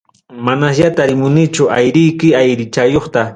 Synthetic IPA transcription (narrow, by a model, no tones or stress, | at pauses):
manasʎat̪aɾɪmʊnɪt͡ʃʊʔajɾɪjkɪajɾɪt͡ʃajoχt̪a